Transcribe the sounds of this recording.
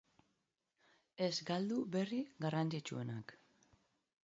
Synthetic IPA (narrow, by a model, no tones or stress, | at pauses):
e̞zɡald̪uβe̞riɡarant͡sit͡ʃṵe̞nak